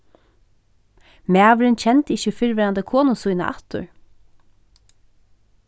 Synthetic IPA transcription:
mæːʋɾɪnt͡ɕʰɛnt̪ɪçəfɪɹʋɛːɾand̪əkʰoːnʊsujna̰ʔɑ̰ht̪ʊ̰ɹ

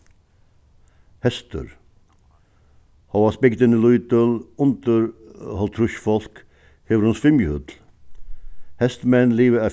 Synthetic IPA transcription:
hɛst̪ə̰ɾ | hɑɑsbɪɡt̪ənəlut̪əlʊnt̪əɾhɔlt̪ʰɾʉʃfɔlk | heːʋɾhʊnsfɪmjəhœt̪l̩ | hɛst̪mɛnliːʋəæː

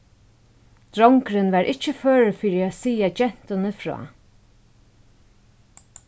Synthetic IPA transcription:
d̪̥ɾɔŋkɾɪnʋaɹʔɪt͡ʃːəføːɹfiːɾiasiːad͡ʒɛn̥t̪ʊnəfɹɔ̰ː

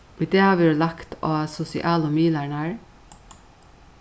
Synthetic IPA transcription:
id̪eːhɑːʋiːuːlɑkt̪ʰoːɑsʊsɪ̰ʔɑːlʊmiːlæɳæːɹ

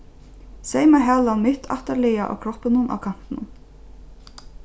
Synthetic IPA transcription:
sejmaɦaːlanmɪht̪ʰa̰ht̪aɾlɪjaʔa̰wkʰɾɔhpɪnʊnʔa̰wkʰan̥t̪ɪnʊ̰n

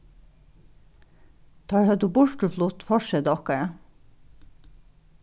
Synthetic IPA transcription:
t̪ʰɑːɹhɛd̪uːbʊɹʈʉflʊt̪fɔʃɛd̪ɔkəɹ

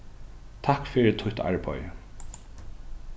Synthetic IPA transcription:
t̪ʰakfɪɾt̪ʰʊt̪a̰ɹbɔjə

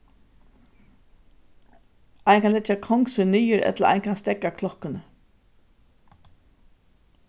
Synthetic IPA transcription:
ʔajnkʰanlɛt͡ʃːakʰɔŋksʏniːjəɾɛ̰t̪laa̰jnkʰanst̪ɛkːakʰlɔhkənə

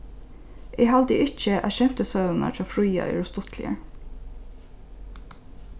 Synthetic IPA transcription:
ʔeːhɑd̪əʔɪc͡çəʔæ̰ʃɛmt̪əsœnɑ̰tʰɑːfɹyːɑ̰ʔḭːɹʊst̪ɔt̪ʰlɪ̰ə̰

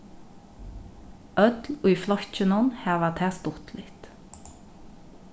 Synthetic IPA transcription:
ʔœd̪l̩oːiːflɔçc͡çənɔnhæːʋəʁt̪ʰæːst̪ʊt̪ʰlɪt̪

